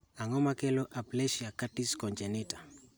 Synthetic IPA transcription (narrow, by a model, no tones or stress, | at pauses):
aŋɔmakeloʔaplɛʃiakatiskɔnd͡ʒenita